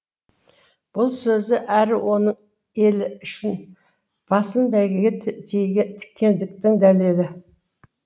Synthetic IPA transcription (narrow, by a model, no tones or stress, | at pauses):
b̥ʊlˠsɵzɪʔæɾɪwʔo̞nəɴ | e̞lɪʏʃɪn | b̥ɑsənd̪æɡʲeɡʲet̪ʰejɡʲt̪ʰɪ̥kʲʰːe̞nd̪ɪk̚t̪ɪŋd̪æle̞lɪ